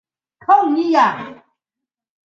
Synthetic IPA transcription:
tʰɔ˦˨ŋni˦ja˨

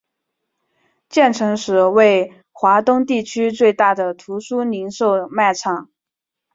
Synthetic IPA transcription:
t͡ɕjɛ˥˩nʈ͡ʂʰɤ˧˥ŋʂɻ̩˨˧˥we˥˩ɪ | xwa˧˥t̪ʊ˥ŋt̪i˥˩t͡ɕʰy˥t͡swe˥˧ɪt̪a˥˩d̪ə˩t̪ʰu˧˥ʂu˥ni˧˥nʂo˥˧ʊma˥˩ɪʈ͡ʂʰɑ˨˩˦ŋ

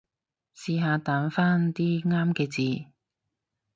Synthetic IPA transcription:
siː˧ɦaː˧t̪aː˨˧˥nfaː˥nt̪iː˥ŋaː˥mkɛː˧t͡siː˨˧

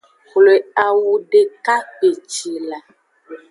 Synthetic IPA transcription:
xle˨a˨wu˨ɖe˨ka˦k͡pe˨t͡ʃi˨la˨

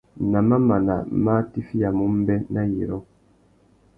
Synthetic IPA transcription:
na˨ma˦ma˨na̰˨ma˦ti˦fi˦ja˨mu˦m̩˦bɛ˦nʔa˦ji˨ɾɔ˦

